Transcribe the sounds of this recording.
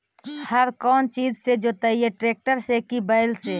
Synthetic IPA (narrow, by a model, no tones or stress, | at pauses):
həɾkɔːnt͡ʃiːd͡ʒsed͡ʒoːt̪aieʈɾeːk̚ʈəɾsekibəɪlseː